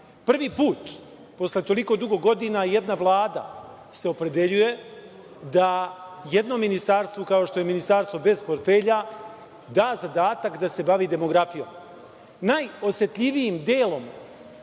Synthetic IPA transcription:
pr̩ʋiːpuːt̪ | po̞sle̞t̪o̞liko̞d̪uɡo̞ɡo̞d̪inajed̪naʋlˠaːd̪a̰ | se̞o̞pɾe̞d̪e̞ʎuje̞ | d̪aje̞d̪no̞mːinist̪aɾst̪vʋokao̞ʃt̪o̞jeminist̪aɾst̪ʋo̞be̞zpo̞ɾt̪fe̞ːʎa | d̪aːzad̪aːt̪akd̪ase̞baʋiːd̪e̞mo̞ɡɾafijo̞̰ːm | najo̞sje̞t̪ʎʲiʋijimd̪eːlo̞m

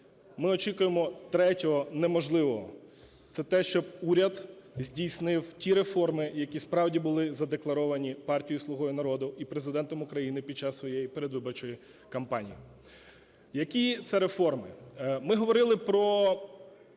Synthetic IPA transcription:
mɪɔt͡ʃikʊjemɔt̪ɾɛtʲɔɦɔnɛmɔʒlˠɪʋɔɦɔ̰ | t̪sɛt̪ɛʃt͡ʃɔb̚uɾʲɐd̪zʲdʲijsnɪwtʲiɾe̞fɔrmɪjɐkʲispɾɑwdʲibʊlˠɪzɐd̪eklˠɐɾɔʋɐnʲipɑrtʲijislˠʊɦɔjinɐɾɔd̪ʊipɾe̞zɪd̪ɛnt̪ɔmʊkɾɐjinɪpʲid̚t͡ʃːɑsʋɔjejipeɾed̪ʋɪbɔrt͡ʃɔji | kɐmpɑnʲḭji | jɐkʲit̪sɛɾe̞fɔrmɪmɪɦɔʋɔɾɪlˠɪpɾɔ

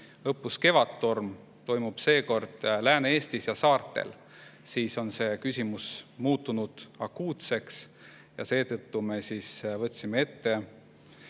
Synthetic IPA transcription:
ɤpːuske̞vɑt̪ːorm | t̪o̞jmub̥se̞ːko̞rd̪̥læːneeːst̪isjɑsɑːrt̪ːˑe̞̰l | siːso̞nse̞kysʲimusmuːt̪ːunud̪̥ɑkːuːt̪se̞ks | jɑ̰se̞ːt̪ɤt̪ːume̞siːsvɤt̪ʲːˑsimee̞t̪ːe̞

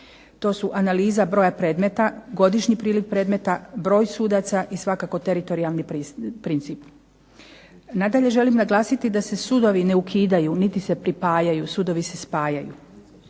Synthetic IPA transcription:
t̪o̞ːsuʔanaliːzabɾo̞ːjapɾe̞ːd̪me̞t̪aɡo̞d̪iʃɲipɾiːlikpɾe̞ːd̪me̞t̪abɾo̞ːjsuːd̪at̪saʔisʋakako̞t̪e̞ɾit̪o̞ɾialˠnippːɾint̪siːp | nad̪aʎe̞ʒe̞limnaɡlˠaːsit̪id̪ase̞sud̪o̞ʋineukʰiːd̪ajunit̪ise̞pɾipaːjajusud̪o̞ʋise̞spaːjajṵ

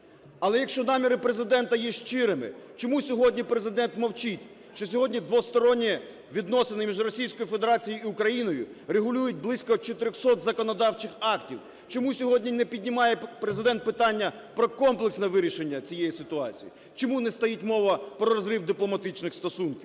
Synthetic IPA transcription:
ɐlˠɛjɐkʃt͡ʃɔnɑmʲiɾɪpɾezɪd̪ɛnt̪ɐjiʃt͡ʃɪɾɪmɪ̰t͡ʃɔmusʲɔɦɔdʲnʲipɾe̞zɪd̪ɛnt̪mɔwt͡ʃitʲ | ʃt͡ʃɔsʲɔɦɔdʲnʲid̪ʋɔst̪ɔɾɔnʲːi | ʋʲid̪nɔsenɪmʲiʒrɔsʲijsʲkɔjufed̪eɾɑt͡sʲijiiʊkɾɐjinɔjʊ̰ɾeɦʊlʲujʊt̚ʲblˠisʲkɔt͡ʃɔt̪ɪɾʲɔxsɔt̪zɐkɔnɔd̪ɑwt͡ʃɪxɑktʲiw | t͡ʃɔmusʲɔɦɔdʲnʲinɛpʲidʲnʲɪmɑjɛpɾezɪd̪ɛnt̪̚pɪt̪ɑnʲːɐ | pɾɔkɔmplˠeksnɛʋɪɾʲiʃenʲːɐt͡sʲijejisɪt̪ʊɑ̰t͡sʲḭji | t͡ʃɔmunɛst̪ɐjitʲmɔʋɐpɾɔɾɔzɾɪwd̪ɪplˠɔmɐt̪ɪt͡ʃnɪxst̪ɔsunkʲiw

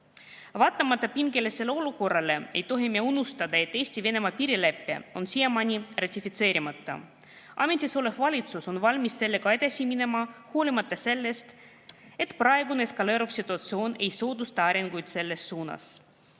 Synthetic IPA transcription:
vɑːt̪ːˑɑmɑt̪ːˑɑpiŋɡe̞lese̞leo̞luko̞rːɑle̞e̞jt̪o̞ɦimieunust̪ɑd̪ɑe̞t̪ːe̞ːsʲt̪ive̞ne̞mɑpiːɾilæpːḛo̞nsijemɑnʲirɑt̪ʲifit̪se̞ːɾimɑt̪ːɑ̰ | ʔɑ̰me̞nʲt̪ʲisole̞fvɑlʲit̪suso̞nvɑlʲmisːe̞lːe̞kɑe̞d̪̥ɑsʲimine̞mɑhuːlʲimɑt̪ːˑɑse̞lːe̞st̪ | e̞t̪ˑprɑeɡuneeskɑle̞ɾufsit̪ːˑuɑt̪sio̞ːne̞jso̞ːd̪ust̪ɑɑɾeŋɡujd̪se̞lːe̞sːuːnɑ̰s

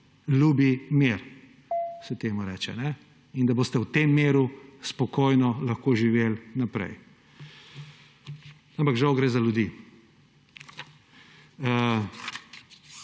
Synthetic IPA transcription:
lʲuːbimeɾ | sɛt̪eːmuɾɛ̰ːt͡ʃɛ̰nɛ | ind̪ɐboːst̪ɛwt̪eːmːeːɾuspɔkoːjnɔlɐxkoːʒiʋeːlnapɾɛ̰j | ãmpakʒawɡɾezaljud̪i | ə

